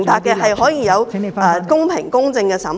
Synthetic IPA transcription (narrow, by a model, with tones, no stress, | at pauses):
ŋt̪aː˨kːɛː˧ɦɐ˨jɦɔː˨˥jiː˨˧jɐ˨˧wːkʊ˥ŋpʰɪ˨˩ŋkʊ˥ŋt͡sɪ˧ŋkɛː˧sɐ˨˥m